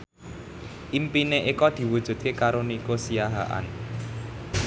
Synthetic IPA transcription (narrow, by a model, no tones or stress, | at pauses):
ʔimpineʔikɔd̪̥i̤wud̥ʒ̥ṳd̪̚kekaɾonikosijaɦa̰ʔa̰n